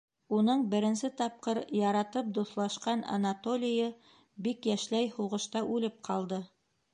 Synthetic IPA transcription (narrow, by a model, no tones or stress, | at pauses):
unɤɴbɘ̆ɾɘ̆nsɘt̪ɑp̚qɤɾjɑɾɑt̪ɤp̚d̪uθlˠɑʃqɑna̰nat̪olʲɪjɤ | bikjæʃlæjhuʁɤ̆ʃt̪ɑʔʉlɘp̚qʰɑlˠd̪ɤ